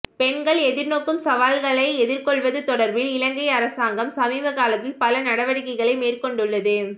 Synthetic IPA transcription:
pɛɳɡɐɭɛðɪɾnoːkːɯmsɐʋaːlɣɐɭɐɪɛðɪɾkɔɭʋɐðɯt̪ɔɽɐɾbɪlɪlɐŋɡɐɪɐɾɐsaːŋɡɐmsɐmiːʋɐkaːlɐt̪ːɪlpɐlɐnɐɽɐʋɐɽɪkɐɪɣɐɭɐɪmeːrkɔɳɖɯɭːɐðɯ

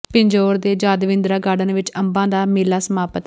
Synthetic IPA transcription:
pɪɲd͡ʒoːɾd̪eːd͡ʒaːd̪ʋɪ̃nd̪ɾaːɡaːɖənʋɪt͡ʃəmbãːd̪aːmɪːlaːsəmaːpət̪

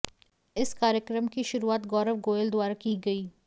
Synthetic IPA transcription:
ɪskaːɾjəkɾəmkiʃʊɾuaːt̪ɡɔːɾəʋɡoːjəld̪waːɾakiɡɐiː

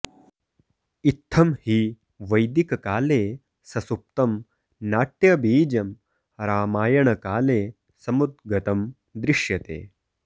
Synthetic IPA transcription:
it̪ʰːɐmhiː | ʋɐjd̪ikɐkaːleː | sɐsup̚t̪ɐm | naːʈjɐbiːd͡ʒɐm | ɾaːmaːjɐɳɐkaːleː | sɐmud̪̚ɡɐt̪ɐm | d̪ɾɪʃjɐt̪ḛː

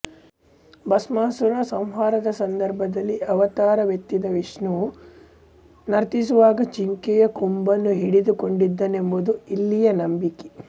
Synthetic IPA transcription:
bɐsmaːsuɾasɐm̃ɦaːɾɐd̪ɐsɐnd̪ɐɾbʱɐd̪ɐlːiɐʋɐt̪aːɾɐʋjɐt̪ːid̪ɐʋiʂnu | nɐɾt̪isuʋaːɡɐt͡ʃiŋkɛjɐkumbɐnːuɦiɽid̪uko̞ɳɖid̪ːɐne̞mbud̪uilːijɐnɐmbiki̥

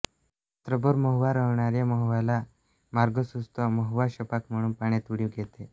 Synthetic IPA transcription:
t̪ɾəbəɾməɦʋaɾəʋɳaɾjaməɦʋala | maɾɡəsust̪ɔməɦʋaɕəpakm̤əɽ̃uːnpaɳ̃et̪uɽiɡʱet̪e

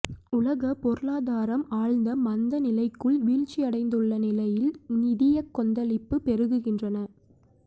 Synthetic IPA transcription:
ʊlɐɣɐpɔɾɯlaːðaːɾɐmaːɻnd̪ɐmɐnd̪ɐnɪlɐɪkːɯɭʋiːɻt͡ʃːiɐɽɐɪnd̪ɯɭːɐnɪlɐjɪlnɪðɪjɐkːɔnd̪ɐlɪpːɯpɛɾɯɣɯɣɪndrɐnɐ

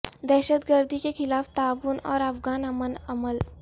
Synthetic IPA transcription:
d̪ɛːʃəd̪ɡəɾd̪ʱikexɪlaːft̪aːʋʊnɔ̰ːɾɐfɡaːnɐmənɐməl

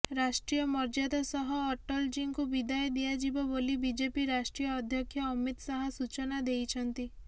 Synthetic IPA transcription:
ɾasʈɾijɔmɔɾd͡ʒad̪asɔɦɔːʈɔld͡ʒiŋkubid̪ajɔd̪ijad͡ʒibɔbolibid͡ʒepiɾasʈɾiɔːd̪ʱjɔkʰːjɔːmit̪saɦɔsut͡ʃɔnad̪ejt͡ʃʰɔnt̪i

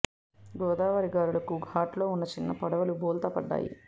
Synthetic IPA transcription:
ɡɔːd̪aːʋɐɾiɡaːɾulɐkuɡʱaːʈlo̞ːunːɐt͡ʃinːɐpɐɽɐʋɐlubɔːlt̪ɐpɐɖːa̰ːjḭ

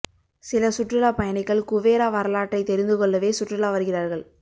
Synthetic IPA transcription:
sɪlɐsʊʈːrɪlaːpɐjɐnɪkːɐɭkʊʋeːɾaːʋɐɾɐlaːʈːɐɪt̪ɛɾɪnd̪ɯkɔɭːɐʋeːsʊʈrɪlaːʋɐɾɯɣɪraːɾɣɐɭ

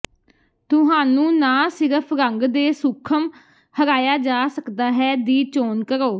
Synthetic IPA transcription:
t̪ʊɦaːnũːnãːsɪɾəpʰɾəŋɡd̪eːsʊkʰəm | həɾaːjaːd͡ʒaːsəkd̪aːɦɛːd̪iːt͡ʃoːnkəɾoː

